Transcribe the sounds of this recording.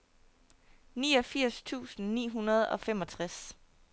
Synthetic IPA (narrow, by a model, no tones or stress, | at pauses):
niːɒ̽fiɐ̰st͡sʰṵːsn̩nḭːɦunɐð̞ˠɒ̽femɒ̽t͡sʰʁas